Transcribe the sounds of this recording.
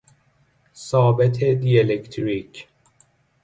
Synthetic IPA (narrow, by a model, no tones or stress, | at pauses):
sɒːbet̪ʰed̪ielekt̪ʰɾicʰ